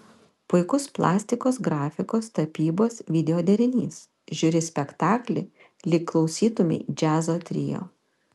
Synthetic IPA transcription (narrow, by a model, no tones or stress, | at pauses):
pʊɪkʊsplˠɑ̰ːsʲt̪ʲɪkoːsɡɾɑːfʲɪkoːst̪ɐpʲiːboːsʋʲɪd̪ʲɛoːd̪ʲɛɾʲɪnʲḭːs | ʒʲʊɾʲɪsʲpʲɛkt̪ɑːklʲɪ | lʲɪkkːlˠɒʊsʲiːt̪ʊmʲɪ̰ɪd͡ʒʲæːzoːt̪ʲɾʲɪ̰jo̰ː